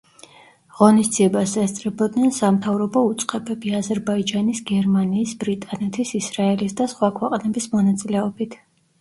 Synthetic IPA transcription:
ʁɔnisd̪ziɛbaszɛst̪sʼɾɛbɔd̪nɛnsamt̪ʰavɾɔbɔut̪sʼqʼɛbɛbiazɛɾbaid͡ʒanisɡɛɾmaniːsbɾit̪ʼanɛt̪ʰisisɾaɛlisd̪asχwakʰwɛqʼnɛbismɔnat̪sʼilɛɔbit̪ʰ

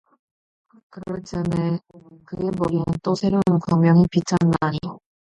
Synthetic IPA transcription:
kɯɾʌt͡ɕʰanekɯɡemʌɾinɯnt͈osʰeɾonkaŋmjʌŋipit͡ɕʰanːaɲi

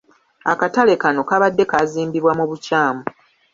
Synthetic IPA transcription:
akatale̞kano̞kaβadːe̞kaziːmbiβwamuβucaːmu

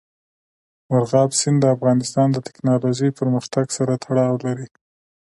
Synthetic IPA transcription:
mʊɾɣɑbsɪnd̪əafɣɑnɪst̪ɑnd̪ət̪ɪ̥knɑloʒəjpəɾməxt̪aɡsaɾat̪ʰaɽɑwlaɾi

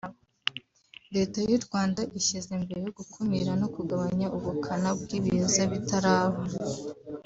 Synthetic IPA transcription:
deːtajuɾɡwaːndaʔiʃizembeɾejoɡukʰumiɾano̞kuɡaβaɲaʔuβukʰanabɡiːβiozaβitaɾaːβo

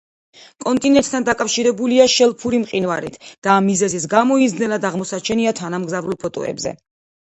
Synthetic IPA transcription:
kʼɔnt̪ʼinɛnt̪̚ʰʼt̪ʰand̪akʼafʃiɾɛbuliaʃɛlˠpʰuɾimqʼinvaɾḭt̪ʰd̪̥aːmːizɛzis̬ɡamɔizd̪nɛlad̪aʁmɔsat͡ʃʰɛniat̪ʰanamɡzavɾulˠpʰɔt̪ʼɔ̰ɛ̰bzɛ̰

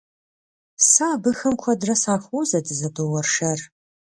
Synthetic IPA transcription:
saːbɨxɐmkʷʰɐdrɐsaːxʷuːzɐdɨzɐdoːwɐrʂɐr

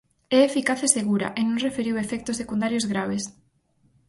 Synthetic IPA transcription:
ɛːfikaθeseɣuɾa̰ʔenõŋrefeɾiwefɛk̚t̪osekund̪aɾjozɣɾaβ̞es

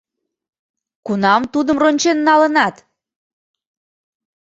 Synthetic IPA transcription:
kunɑmt̪ud̪əmronʲt͡ɕenːɑlənɑt̪

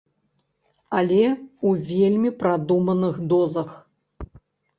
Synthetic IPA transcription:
alʲɛuvʲelʲmʲipɾad̪umɐnɨxd̪ɔzɐx

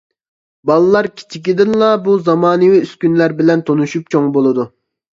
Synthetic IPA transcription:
bɑlˠɨlˠɑɾkʲʰi̥t͡ʃʰikʲid̪ɪnlˠɑbuzɑmɑːnɨwiyskʲynlæɾbɪlɛnt̪ʰonuʃup̚t͡ʃʰoŋbolˠɨd̪u

